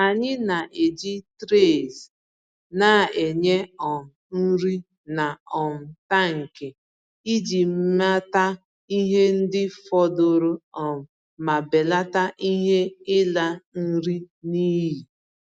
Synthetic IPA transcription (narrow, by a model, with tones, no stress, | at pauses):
a˨ɲɪ˦na˨ʔe˨d͡ʒi˦tɾe˦˨z | na˦˨e˨ɲe˦ɔ˨m̩˨n̩˦ɾi˦ | na˨ɔ˨m̩˨ta˦ŋ̩˨ke˨ | i˦d͡ʒi˨m̩˦ma˦ta˦ | i˦ɦe˦n̩˦dɪ˦fɔ˦do˦ɾo˦ɔ˨m̩˨ | ma˨be˨la˦ta˦ʔi˦ɦe˦ɪ˦la˦n̩˦ɾi˦ | niː˦ji˨